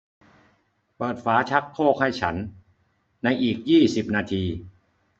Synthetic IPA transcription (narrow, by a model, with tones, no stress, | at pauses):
pɤː˨˩t̪̚faː˩˦˥t͡ɕʰa˦˥kʰːoː˥˩k̚ha˥˩jt͡ɕʰa˦˥n | na˧jʔiː˨˩k̚jiː˥˩si˨˩p̚naː˧t̪ʰiː˧